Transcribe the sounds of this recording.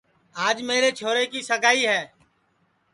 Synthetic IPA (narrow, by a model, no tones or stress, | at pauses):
aːd͡ʒmeːɾeːt͡ʃʰoːɾeːkiːsəɡaːiːɦɛː